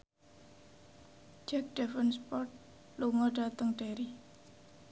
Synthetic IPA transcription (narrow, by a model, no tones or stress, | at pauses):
d͡ʒɛk̚ɖ̥ɛfənspɔt̪̚ | luŋɔɖ̥at̪əŋɖ̥eɾi